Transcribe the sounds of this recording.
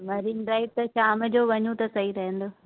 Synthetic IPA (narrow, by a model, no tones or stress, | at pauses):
ʋɐɾinɖɾaːɪp̚t̪ɐʃaːmə̆d͡ʑoːʋɐɲũt̪ɐsɐiɾɐɦə̃nd̪oː